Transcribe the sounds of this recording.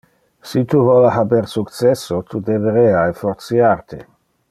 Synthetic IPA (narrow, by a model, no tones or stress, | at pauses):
sit̪uvolaɦabeɾsukt̪t͡sesːot̪ʰud̪eveɾeaefoɾt̪siaɾt̪e